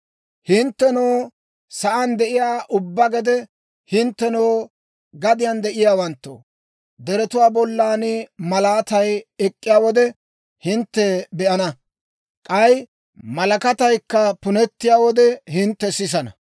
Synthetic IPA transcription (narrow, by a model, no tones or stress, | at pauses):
hɪnt̪ːɛnoː | sɐʔɐnd̪ɛʔɪjaːʔʊbːɐɡɛd̪ɛ | hɪnt̪ːɛnoː | ɡɐd̪ɪjand̪ɛʔɪjaːwɐnt̪ːo̰ː | d̪ɛɾɛt̪ʊwaːbɔlːaːnɪmɐlaːt̪ɐjɛkʼːɪjaːwɔd̪ɛ | hɪnt̪ːɛbɛʔɐnɐ | kʼɐj | mɐlɐkɐt̪ɐjkːɐpʊnɛt̪ːɪjaːwɔd̪ɛhɪnt̪ːɛsɪs̬ɐnɐ̰